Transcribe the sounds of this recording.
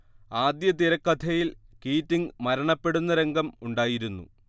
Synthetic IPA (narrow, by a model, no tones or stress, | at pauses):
aːd̪jɐt̪iɾɐkːɐt̪ʰɐjilkiːtːiŋmɐɾɐɳɐpːe̞ɽunːɐɾe̞ŋɡɐmuɳɖaːjiɾunːṵ